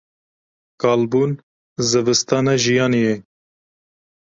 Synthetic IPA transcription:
kɑːlbuːn | zɨvɨst̪ɑːnɛʒijɑːnijɛ

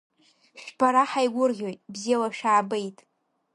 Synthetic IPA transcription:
ʃᶣbaɾaħajɡʷʊrʁʲo̞jtʼbzijalaʃᶣaːbejtʼ

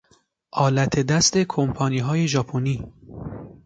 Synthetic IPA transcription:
ʔɒːlæt̪ʰe̞d̪æst̪e̞kʰompʰɒːniːɦɒːje̞ʒɒːpʰoniː

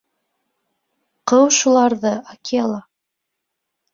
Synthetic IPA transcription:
qɤwʃulˠɑɾðɤʔakijalˠɑ

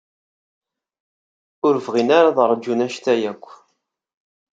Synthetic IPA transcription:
ʊɾvʁinaɾaðəɾˤd͡ʒːunæʃt̪æjækʷː

